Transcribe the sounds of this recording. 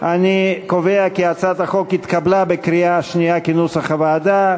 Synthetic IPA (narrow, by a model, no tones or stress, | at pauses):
ʔanikoveakiat͡sat̪aχo̞kit̪kablabekʁiaʃnijakinushaχavaːd̪a